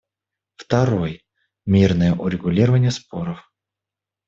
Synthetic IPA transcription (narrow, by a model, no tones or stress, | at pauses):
ft̪ɐɾo̞j | mʲirnəjəʔʊɾʲɪɡʊlʲiɾəvənʲɪjəspo̞ɾəf